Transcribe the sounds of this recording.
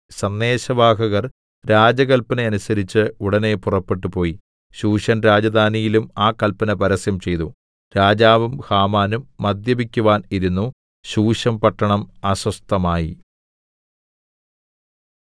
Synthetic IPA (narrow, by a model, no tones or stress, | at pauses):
sɐnːe̞ːɕɐbʱaːɦɐɣɐr | ɾaːd͡ʑɐɣɐlpɐneɐnusɐɾit͡ɕːɨuɽɐne̞purɐpːe̞ʈːupo̞ːji | ɕuːʂɐnɾaːd͡ʑɐd̪ʱaːnijilumaːkɐlpɐnɐpɐɾɐsjɐmt͡ɕe̞jt̪u | ɾaːd͡ʑaːʋɐmhaːmaːnumːɐd̪jɐbikʲːuʋaːniɾunːu | ɕuːʂɐmpɐʈːɐɳɐmɐɕwɐst̪ɐmaːjḭ